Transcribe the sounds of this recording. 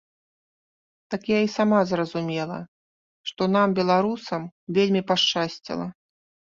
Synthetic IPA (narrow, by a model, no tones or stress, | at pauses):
t̪akjaisamazrɐzumʲɛlˠɐ̰ | ʂt̪ɔnambʲɛlˠaɾusɐmvʲelʲmʲipaʂt͡ʂasʲt͡sʲḭlˠɐ